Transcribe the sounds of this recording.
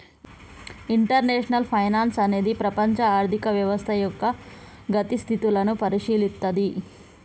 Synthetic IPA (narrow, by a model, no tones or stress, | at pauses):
iɳʈɐɾneːʂnɐlpʰɐjnaːnsɐne̞ːd̪ipɾɐpɐɲt͡ʃɐaːɾt̪ikɐʋjɐʋɐst̪ʰɐjɔkːɐ | ɡɐt̪ist̪ʰit̪ilɐnupɐɾiʂiːlit̪ːɐd̪i